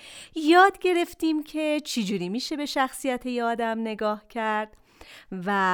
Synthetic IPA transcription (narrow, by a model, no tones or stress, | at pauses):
jɒːd̪ɟe̞ɾe̞ft̪iːmcʰe̞t͡ʃʰed͡ʒuːɾiːmiːʃe̞be̞ʃæxsijæt̪ʰejɒːd̪æmne̞ɡɒːhcʰæɾd̪̥ | væ